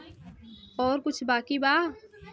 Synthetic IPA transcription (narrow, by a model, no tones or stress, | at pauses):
ɔːɾkʊt͡ʃʰbaːkibaː